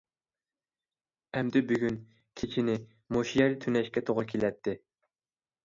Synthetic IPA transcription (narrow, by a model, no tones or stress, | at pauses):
ɛmd̪ɪbyɡʲyn | kʲʰit͡ʃʰinɪ | moʃijɛɾt̪ʰynɛʃkʲɛt̪ʰoʁʊkʲʰelɛt̪ʰːɪ